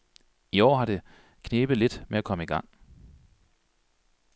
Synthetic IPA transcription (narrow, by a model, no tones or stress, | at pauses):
iɒ̰ːɦɑ̈ɾ̥e̝ | kʰne̝ːb̥ð̩ˠle̝d̥meækʰɒ̽məiɡ̥ɑ̈ŋ̰